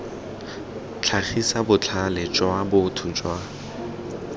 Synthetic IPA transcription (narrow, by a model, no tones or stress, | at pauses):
t͡ɬʰaχisabʊt͡ɬʰalɪt͡ʃʼwabʊtʰʊt͡ʃʼwa